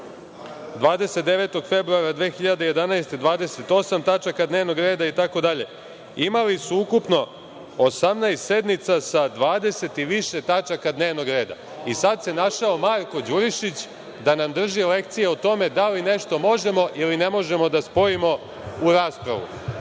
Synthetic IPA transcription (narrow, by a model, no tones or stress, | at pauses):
d̪ʋaːd̪e̞set̪d̪e̞ʋe̞t̪o̞ɡfe̞bɾuaɾad̪ʋeːxiʎad̪eje̞d̪anajst̪ed̪ʋaːd̪e̞se̞t̪o̞samt̪at͡ʃakad̪ne̞ːʋno̞ɡɾe̞ːd̪ait̪ako̞d̪aʎe̞̰ | imalisuukupno̞ | osamnajst̪se̞d̪nit̪sasad̪ʋaːd̪e̞se̞t̪iʋiʃe̞t̪at͡ʃakad̪ne̞ːʋno̞ɡɾe̞ːd̪a̰ | isad̪se̞naʃao̞maɾko̞d͡ʑuɾiʃit͡ɕ | d̪anamd̪r̩ʒile̞kt̪sije̞ot̪o̞me̞d̪aline̞ʃt̪o̞mo̞ʒe̞mo̞ʔiline̞mo̞ʒe̞mo̞d̪aspo̞imo̞ | uɾaːspɾa̰ʋṵ